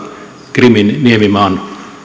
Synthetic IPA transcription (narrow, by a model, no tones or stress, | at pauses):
kriminːiemimɑːn